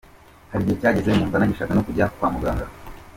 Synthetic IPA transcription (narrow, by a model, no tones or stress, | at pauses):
haɾiɟocaːɟezeɲuːmvanaɟiʃakanokuɟaaku̥kwaːmuɡaːŋɡa